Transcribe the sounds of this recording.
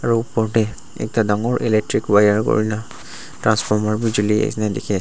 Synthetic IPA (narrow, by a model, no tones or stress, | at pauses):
aɹuːpɔɹdɛ | ɛ̰k̚tadaŋɔɹʔilek̚tɹikwajaɹko̰ɹina | tɹanspʰɔɹmaɹbid͡ʒuliḛsnajdɛkʰi